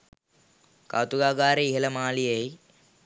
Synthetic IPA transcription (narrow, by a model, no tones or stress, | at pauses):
ka̰ːt̪uɡaːɡaːɾeiɦelɐmaːlijei